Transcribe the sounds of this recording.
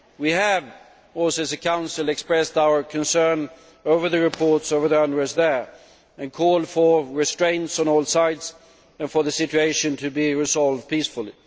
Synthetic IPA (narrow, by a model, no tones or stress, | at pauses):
wiɨv | ɔlsɨzɨkʰãʊ̃nsəl̩ˠɨkspɹɛstaʊə˞kʰɨ̃nsɜ̃˞n | oʊvə˞ðɨɹɨpʰɔɹtsoʊvə˞ðiʌ̃nəɹəzðə˞ | ɨ̃nkʰɔlˠd̥fə˞ɹɨstɹ̥ẽɪ̃ntsn̩ɔlˠsaɪdz | ɨ̃nfə˞ðɨsɪt͡ʃʉeɪʃɨ̃ntʰɨbiɹɨzɑlˠvd̚pisfl̩ˠi